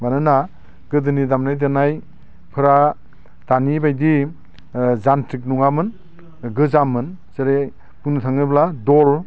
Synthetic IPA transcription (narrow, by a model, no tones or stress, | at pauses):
banɯna | ɡ̥ɯdɯnidamnajdɯnaj | pʰɯɾa | tanibajdi | zantʰɾik̚nuŋamɯn | ɡɯzamɯn | sɯɾe | punutʰaŋɯbladɔl